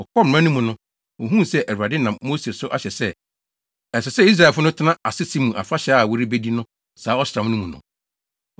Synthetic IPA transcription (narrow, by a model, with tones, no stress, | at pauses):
ɔ˨kʰɔ˦m̩˨ã˦nʊ̃˦mũ˨nʊ̃˦ | wo˨ɦũ˦˨sɛ˦ʔæ˨ɾa˨dɪ˦nã˨mːo˦se˨sʊ˦ʔa̰˨ɕɛ˨sɛ˦ | ɛ˨sɪ˨sɛ˦i˦s̬ɾa˨fʊ˦nʊ̃˦tʰɪ˦nã˦a˨sɪ˦sʰi˦mːũ˨ʔa̰˨fa˦ɕɛ˨˦a˦˨wɔ˦˨ɾi˦be˦di˦nʊ̃˦ | saː˨˦ɔ˦sɾã˨m˦nʊ̃˦mũ˨nʊ̰̃˨